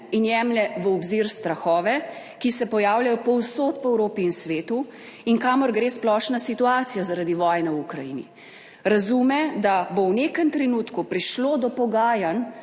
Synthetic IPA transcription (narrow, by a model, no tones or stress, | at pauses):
injɛmlɛʋəɔbziɾst̪ɾaxɔːʋɛ | kisɛpɔjaːwlajɔpɔwsoːt̪pɔɛwɾoːpiːnsʋeːt̪u | inkaːmɔɾɡɾeːsplɔːʃnasit̪uaːt̪sijazaɾad̪iʋɔːjnɛwukɾajḭnḭ | ɾazumɛd̪abownekənt̪ɾɛnuːt̪kupɾiʃloːd̪ɔpɔɡaːjan